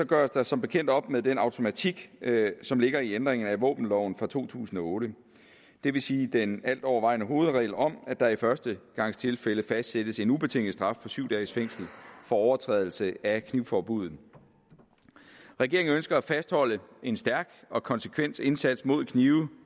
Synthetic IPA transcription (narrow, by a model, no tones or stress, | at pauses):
sɒ̽ɡ̥ɶɐsd̥ɑ̈sɒ̽mb̥e̝kʰen̰d̥ɒ̽b̥meðˠd̥enɑ̈ʊt͡sʰo̝mæt͡sʰiɡ̥sɒ̽mle̝ɡ̥ɐiend̥ʁeŋn̩æʋɔ̰̽ːb̥n̩lɒʊ̰n̩fʁɑ̈t͡sʰo̝̰ːt͡sʰṵːsn̩ɒ̽ɔ̽ːɾə | d̥e̝ʋe̝siːd̥enæl̰d̥ɒʊ̰ɐʋɑ̈ɪ̰næɦo̝ːð̞̩ˠʁɛ̰ɪlɒ̽mæd̥ɑ̈ifɶɐsd̥əɡ̥ɑ̈ŋ̰st͡sʰe̝lfeləfæsd̥sed̥əse̝nub̥e̝t͡sʰe̝ŋ̰l̩sd̥ʁɑ̈fpʰɒ̽syʊd̥ɛːsfeŋ̰sl̩fɒ̽ɒʊɐt͡sʰʁɛ̰ðˠl̩səækʰniʊfɒːb̥uð̞̰ˠ | ʁɛɡ̥e̝ɐeŋ̩ønsɡ̥ɐæfæsd̥hɒ̽l̰əe̝nsd̥æɐɡ̥ɒ̽kʰɒ̽nsə̥kʰʋen̰se̝nsæd̥smo̝ð̞̰ˠkʰniːʊ